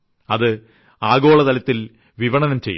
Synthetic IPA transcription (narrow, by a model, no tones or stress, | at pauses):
ɐðɨ | aːɡo̞ːɭɐðɐlɐt̪ːil | ʋiʋɐɳɐnɐmt͡ɕejː